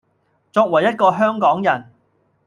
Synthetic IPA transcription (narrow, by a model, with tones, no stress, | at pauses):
t͡sɔː˧k̚wɐ˨˩jːɐ˥t̚kɔː˧ɦœː˥ŋkɔː˨˥ŋjɐ˨˩n